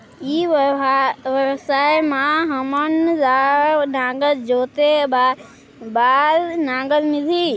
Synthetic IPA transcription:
iː | ʋɐsaːemãɦɐmənzaːnãːɡəld͡ʒoːt̪eba | baːlnãːɡəlmɪlʱi

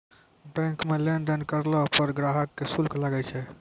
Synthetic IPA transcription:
bɛ̃ŋkmelenɖənkəɾlɔpəɾɡɾaɦəkːesulkʰlaɡɛt͡ʃʰɛ

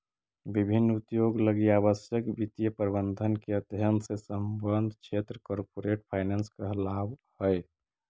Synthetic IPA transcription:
bibʱinːut̪joɡləɡiaβəsjəkbit̪ijəpəɾbənd̪ʱənkeəd̪ʱjənd̪ʱsesəmbənd̪ʱkt͡ʃʰet̪ɾəkɔɾpoɾeʈpʰaɪnenskaɦlabhəj

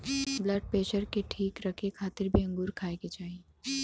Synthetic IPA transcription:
blɐɖ̚peːʃəɾkeʈʰiːkɾɐkʰekʰaːt̪ɪɾbʱiɐ̃ŋɡuːɾkʰaːeket͡ʃaːɦie

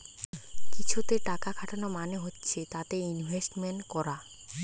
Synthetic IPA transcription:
kit͡ɕʰut̪eʈakakʰaʈʰanomaneɦotːɕʰet̪at̪einbʱesʈmenʈkɔɾa

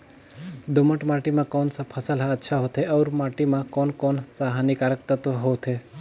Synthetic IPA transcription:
d̪ʊməʈmaːʈimãkɔːnsapʰəsəlɦaətːʃʰaɦoːt̪ɦeɔːɾmaːʈimãkɔːnkɔːnsaɦanikaːɾək̚t̪ət̪ɦoːt̪ʰɦeː

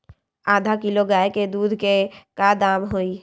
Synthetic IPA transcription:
aːd̪ʱakɪloɡaːeked̪uːd̪ʱkekad̪aːmɦoːi

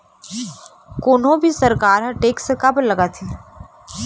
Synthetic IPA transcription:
koːnõbʱisɐɾkaːɾɦɐʈeːkskɐblɐɡat̪ʰiː

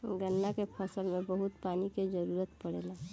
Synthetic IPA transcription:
ɡənːakepʰəsəlmẽbəɦʊt̪paːniked͡ʒəɾuːɾət̪pəɽeːla

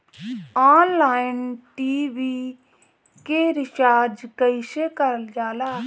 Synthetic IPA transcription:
aːnlaːɪnʈiːʋi | keɾɪt͡ʃaːd͡ʒkəɪsekəɾəld͡ʒaːlaː

